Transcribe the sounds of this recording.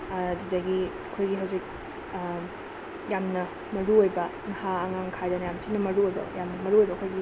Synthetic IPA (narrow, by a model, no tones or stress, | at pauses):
ɐdidɐɡiɐkʰojɡiɦɐwzik̚ | jamnɐ | mɐɾuojbɐ | ŋɐhaːŋaŋkʰajdɐnɐjamtʰinɐmɐɾuojbɐ̰jamnɐmɐɾuojbɐɐkʰojɡi